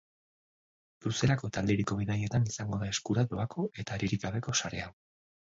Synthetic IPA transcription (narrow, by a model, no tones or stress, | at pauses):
bɾuse̞lako̞t̪ald̪eɾiko̞βiðaje̞t̪anisaŋɡo̞ðae̞skuɾat̪o̞akʰo̞e̞t̪aːɾiɾiɡaβe̞ko̞saɾe̞aw